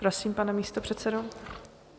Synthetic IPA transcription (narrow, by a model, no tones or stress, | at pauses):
pɾosiːmpanɛmiːst̪opr̝̥ɛt̪sɛdo